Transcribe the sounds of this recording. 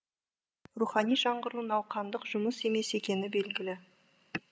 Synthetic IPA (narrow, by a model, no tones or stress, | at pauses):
ruχɑnijʒɑɴʁəɾuənɑwqʰɑnd̪əqʒʊməse̞me̞se̞kʲe̞nɪbe̞lɡʲɪlɪ